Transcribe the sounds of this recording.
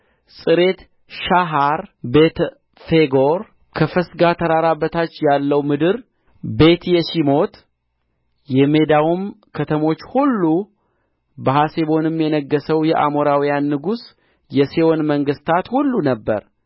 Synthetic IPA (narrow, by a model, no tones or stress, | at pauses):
sʼɨɾe̞t̪ | ʃaɦaɾbe̞t̪ | feɡo̞ɾ | kʰəfəsɡat̪ʰəɾaɾabːət̪ʰat͡ʃːjalːəwmɨd̪ɨɾ | be̞t̪jɛʃimo̞t̪ | jɛme̞d̪awum | kʰət̪ʰəmo̞t͡ʃːhulːu | bəɦaseβo̞nɨmjɛnəɡːəsəwjɛʔa̰moɾawijanːɨɡus | jɛsewo̞nməŋɡɨst̪ʰat̪hulːunəbːə̰ɾ